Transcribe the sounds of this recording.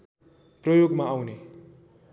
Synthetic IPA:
prʌjoɡmaːwne

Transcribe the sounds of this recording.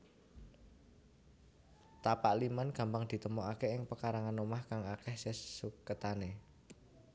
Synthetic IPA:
t̪apaʔlimanɡ̥ä̤mbaŋd̪̥i̤t̪əmoʔakeɪŋpəkaɾaŋanomahkaŋakɛhsesukət̪ane

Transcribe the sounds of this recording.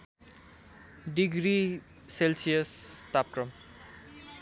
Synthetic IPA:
ɖiɡɾi | selsijʌst̪ap̚kɾʌm

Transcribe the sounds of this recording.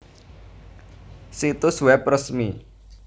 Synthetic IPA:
sit̪usuwɛprəsmi

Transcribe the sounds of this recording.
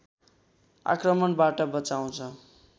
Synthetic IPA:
a̰krʌmʌnbaʈʌbʌt͡saw̃t͡sʰʌ

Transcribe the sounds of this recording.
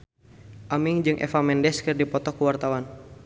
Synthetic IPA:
ʔamiŋd͡ʒɨŋʔɛ̰famɛndɛskɨrdipɔt̪ɔkuwart̪awan

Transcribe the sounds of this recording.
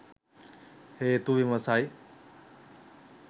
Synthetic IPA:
heːt̪uʋimɐsaːi

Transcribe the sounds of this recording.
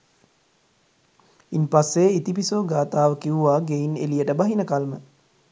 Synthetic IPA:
inpasːeit̪ipisoːɡaːt̪aːʋəkiʋuʋaːɡeinḛlijəʈəbaɦinəkalmə

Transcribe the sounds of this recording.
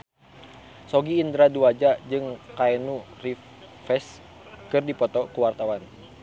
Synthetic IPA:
sɔɡiːnd̪ɾaduad͡ʒad͡ʒɨŋkaɛnuri | fɛs | kɨrdipɔt̪ɔkuwart̪awan

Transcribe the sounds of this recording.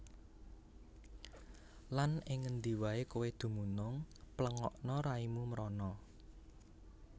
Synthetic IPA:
lanɪŋːənd̪i̤waekuwed̪̥ṳmunʊŋpləŋɔʔnɔɾaimumɾɔnɔ

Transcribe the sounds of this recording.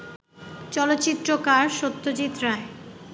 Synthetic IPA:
t͡ɕɔlot̪ːɕit̪ːɾokaɾʃot̪ːot͡ɕit̪ːɾae

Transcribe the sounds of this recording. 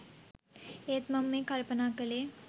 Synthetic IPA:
eːt̪mɐmːẽkɐlpənaːkəleː

